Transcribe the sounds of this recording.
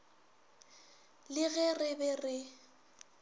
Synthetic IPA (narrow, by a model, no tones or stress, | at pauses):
lɪɣɛrɪbɛrɪ